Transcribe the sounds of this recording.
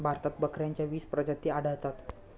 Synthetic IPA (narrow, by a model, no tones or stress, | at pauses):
bʱaɾt̪at̪̚bəkɾjaɲt͡ɕjaʋiːspɾəd͡ʑət̪ːiːaɽ̤əɭt̪at̪